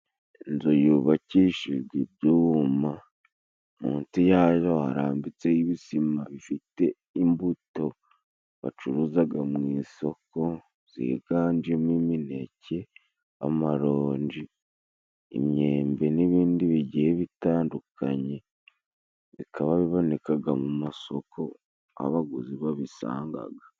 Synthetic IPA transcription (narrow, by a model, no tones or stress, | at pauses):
enzujuβaciːʃiʒɡibjuma | mṵːntijaːjo̞ha̰ɾa̰ːmbit͡sejiβisimaβifite̞ | imbuto̞ | βa̰t͡ʃuɾuzaɡamŋiːso̞ko̞ | z̥ḭɡ̥aːnd͡ʒiemwimine̞̰ce̞ | a̰maɾoːɲd͡ʒi | ḭmɲeːmbe̞niβiːndiβiɟiheβitaːndukʰa̰ɲe̞ | zikʰaβaβiβo̞nekaɡamumaso̞kʰo̞ | a̰βaɡuziβaβisa̰ːŋɡa̰ɡa